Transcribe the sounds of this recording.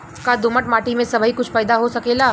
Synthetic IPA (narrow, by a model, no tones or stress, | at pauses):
kad̪ʊməʈmaːʈimẽsɐbʱəɦikʊt͡ʃʰpəjd̪aɦosɐkeːlaː